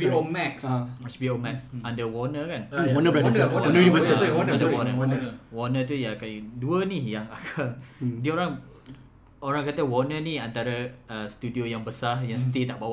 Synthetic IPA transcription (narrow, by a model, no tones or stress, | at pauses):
biomɛksasbiomɛksandəwɔnəkanwɔnəbəlawɔwɔnəunivəsiɔnandəwɔnənəwɔnə̃t̪̬ujakajduənijaŋakʰaŋdioɾaŋ | oɾaŋkat̪əwɔnənĩant̪aɾəəst̪udiojaŋbəsahjaŋsət̪it̪aʔbawa